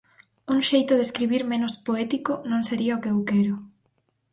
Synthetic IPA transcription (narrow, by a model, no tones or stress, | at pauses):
uŋʃejt̪ʊðeskɾiβiɾmẽnʊspoɛt̪ikʊnõŋseɾiɐokeewkɛɾʊ